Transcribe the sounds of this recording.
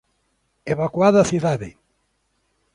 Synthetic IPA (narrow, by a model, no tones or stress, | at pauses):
eβakwaðaθiðaðɪ̰